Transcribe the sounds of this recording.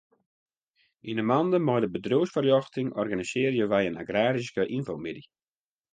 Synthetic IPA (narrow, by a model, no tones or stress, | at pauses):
inəmɑndəmɔjdəbədroːsfərjɔxtɪŋʔɔrɡanisɪːrjəʋɛjəna̰ɡraːɾiskəʔinfowmɪdi